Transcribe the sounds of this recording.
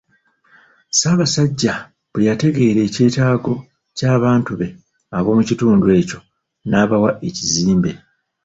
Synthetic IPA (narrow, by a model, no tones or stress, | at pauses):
saːβasaɟːa | bwejate̞ɡe̞ːɾe̞ːce̞ːtaːɡo̞ | caːβaːntuβe̞ | aβo̞ːmucituːndwe̞ːco̞ | naːβawaʔeciziːmbe̞